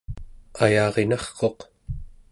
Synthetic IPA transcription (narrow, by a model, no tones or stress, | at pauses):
ajɑːʁe̞nɑχqo̞q